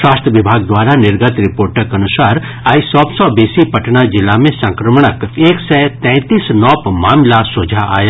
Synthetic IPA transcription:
ʃwaːst̪ɾəʋɪbʱaːɡ̚d̪waːɾanɪɾɡət̪ɾɪpoːɾʈəkɐnʊsaːɾ | aːisɔːbsɔbeːsipɐʈnad͡ʒɪlːamẽsɐ̃ŋkɾəmɳ̃əkeːksɛt̪ɛ̃ːt̪iːsnɔːpmaːmlasʊːd͡ʒʱaa̰ːja

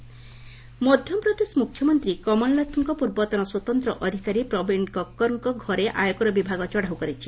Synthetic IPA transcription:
mɔd̪ʱjɔmpɾɔd̪esmukʰjɔmɔnt̪ɾikɔmɔllɔt̪ʰɔŋkɔpuɾbɔt̪ɔnɔswɔt̪ɔnt̪ɾɔʔɔd̪ʱikaɾipɾɔbiɳkɔkːɔɾɔŋkɔɡʱɔɾeʔajɔkɔɾɔbibʱaɡɔt͡ʃɔɽ̤awkɔɾit͡ʃʰi̥

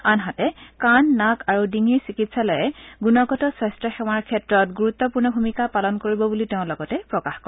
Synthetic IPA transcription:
anɦatɛkanːakaɹudiŋiɹsikitsalɔjɛɡunɔɡɔtɔsɹɛstɹɔxɛw̃aɹkʰɛtɹɔtɡuɹut̪ːɔpuɹnɔbʱumikapalɔnkoɹibɔbuliteʊ̃lɔɡɔtɛpɹɔkaxkɔɹ

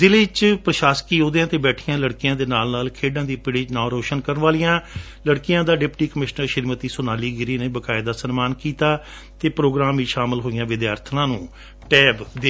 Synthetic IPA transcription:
zɪleːt͡ʃpɾəʃaːskiːɦoːd̪ejãːt̪eːbɛːʈʰɪjãːləɽkɪjãːd̪eːnaːlnaːlkʰeːɖãːd̪iːpɪɽɪd͡ʒnãːɾoːʃənkəɾənʋaːlijãː | ləɽkɪjãːd̪aːɖɪpʈiːkəmɪʃnəɾʃɪɾmət̪iːsʊnaːliːɡɪɾiːneːbəkaːɪd̪aːsənmaːnkiːt̪aː | t̪eːpɾoːɡɾaːmiːʃaːmɪlɦoːɪjãːʋɪd̪jaːɾt̪ʰnãːnũː | ʈɛːbd̪e

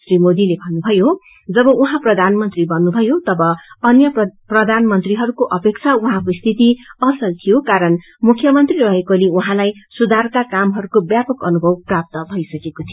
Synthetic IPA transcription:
srimod̪ilebʱʌnːubʱʌjo | d͡zʌbʌʔuɦãprʌd̪ʱanmʌnt̪ribʌnːubʱʌjot̪ʌbʌʌnjʌprʌd̪ʱanmʌnt̪riɦʌɾukoʔʌpek̚t͡sʰauɦãkoist̪ʰit̪iʌsʌlt̪ʰijokaɾʌn | mukʰːjʌmʌnt̪rirʌɦekoliuɦãlajsud̪ʱarkakamɦʌɾukobjapʌkʌnubʱʌwprap̚t̪ʌbʱʌjsʌkekot̪ʰijo

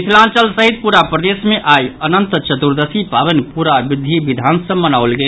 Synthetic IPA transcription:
isʰlãnt͡ʃəlsəɦit̪̚puɾapɾəd̪esmeʔajənənt̪t͡ʃət̪uɾd̪əsipabənpuɾabid̪ʱibid̪ʱansəbmːənawlɡel

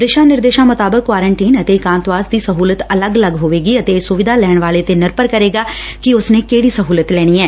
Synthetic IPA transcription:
d̪ɪʃãːnɪɾd̪eːʃãːmʊt̪aːbəkːwaːɾəɳʈiːnət̪eːkãːnt̪ʋaːsd̪iːsəɦuːlət̪ələɡələɡɦoːʋeːɡiːət̪esʊʋɪd̪ʱaːlɛːɳ̃ʋaːleːt̪eːnɪɾpəɾkəɾeːɡaː | kɪʊsnẽːkeːɽiːsəɦuːlət̪lɛːɽ̃iːɛː

